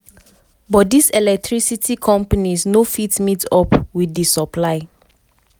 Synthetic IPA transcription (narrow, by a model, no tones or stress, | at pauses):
bɔt̚disɛlɛk̚tʰɹisitʰikʰɔ̃mpanisnofitmitɔpwidisɔpʰlaɪ